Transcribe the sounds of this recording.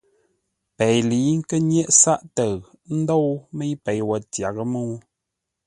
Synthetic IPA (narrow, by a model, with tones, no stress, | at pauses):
pɛ˨jli˨˦ŋ̩˦kə˦ɲjɛ˦ʔsa˦ʔtə˨ɣ | n̩˦do˦˨wmə˦jpɛ˨jwə˨tja˨ɣə˦mu˦˨˦